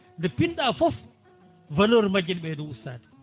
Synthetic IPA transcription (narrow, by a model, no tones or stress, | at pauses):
ndɛpinɗaːfɔf | valɔɾmad͡ʒːinɓɛduusaːdi̥